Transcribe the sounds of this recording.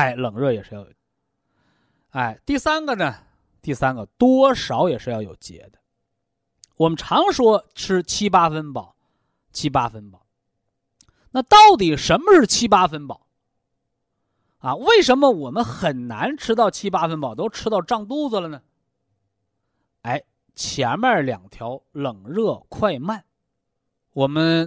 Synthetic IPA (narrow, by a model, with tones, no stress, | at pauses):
a˥˩ɪlɤ˨˩ŋɻɤ˥˩jɛ̰˨˩ʂɻ̩˥˧jɑ˥˩ʊ˨˩ | a˥˩ɪt̪i˥˩sa˥nɡə˨nə˩ | t̪i˥˩sa˥nɡə˨t̪wɔ˥ʂɑ˧˥ʊjɛ˨˩ʂɻ̩˥˧jɑ˥˩ʊjo˨˩ʊt͡ɕjɛ̰˧˥d̪ə̥˧ | wɔ˨˩mə˦nʈ͡ʂʰɑ˧˥ŋʂwɔ˥ʈ͡ʂ̩ʰ˥t͡ɕʰi˥pa˥fə˥npɑ˨˩˦ʊ | t͡ɕʰi˥pa˥fə˧˥npɑ˨˩˦ʊ | na˥˧t̪ɑ˥˩ʊt̪̬i˨˩ʂə˧˥nmə˧ʂɻ̩˥˩t͡ɕʰi˥pa˥fə˥npɑ˨˩˦ʊ | ɐ˧we˥˩ɪʂə˧˥nmə˧wɔ˨˩mə˦nxə˨˩nna˧˥nʈ͡ʂʰɻ̩˥t̪ɑ˥˩ʊt͡ɕʰi˥pa˥fə˥npɑ˨˩ʊt̪o˥ʊʈ͡ʂʰɻ̩˥t̪ɑ˥˧ʊʈ͡ʂɑ˥˧ŋt̪u˥˩d͡zə˨lə˩nə˩ | a˥˩ɪ | t͡ɕʰjɛ˧˥nma˥˩ljɑ̰˨˩ŋt̪ʰjɑ˧˥ʊlɤ˨˩ŋɻɤ˥˧kʰwa˥˧ɪma˥˩n | wɔ˨˩mə˦n